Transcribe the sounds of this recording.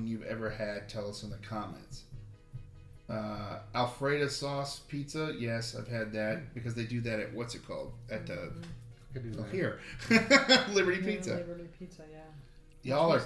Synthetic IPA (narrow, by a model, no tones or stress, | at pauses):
njʉvɛ̰və˞ɨd̚tʰɛlˠʌsə̃n̩ðɨkʰɑmɛ̰̃nts | ʌælˠfɹeɪɾɨsɔspʰitsəjɛsaɪv̥ɨd̪̚ðɨt̚b̥ɨkʰʌzðeɪdɨðɨɾɨ̰ʔ̚wʌtsɨt̚kʰɔ̰lˠd̚ɨt̪̚ðɨ | hiɹ | lɪbə˞ɾipʰitsɨ | jɔlˠə˞